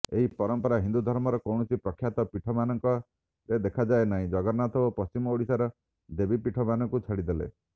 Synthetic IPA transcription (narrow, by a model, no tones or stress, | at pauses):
eɦipɔɾɔmpɔɾaɦind̪ud̪ʱɔɾmɔɾɔkɔwnɔsipɾɔkʰjat̪ɔpiʈʰɔmanɔŋkɔ | ɾed̪ekʰad͡ʒaenaɦĩd͡ʒɔɡɔɾnat̪ʰɔbɔpɔst͡ʃimɔoɽisaɾɔ | d̪ebipiʈʰɔmanɔŋkut͡ʃʰaɽid̪elḛ